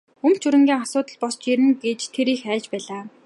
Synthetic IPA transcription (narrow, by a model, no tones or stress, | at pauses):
ɵm̥t͡ɕʰuɾɘ̆ŋɡʲiːŋasʊːt̪ə̆ɮpɔst͡ɕeɾɘ̆ŋɡet͡ɕt̪ʰeɾiːxæːt͡ɕpæːɮaː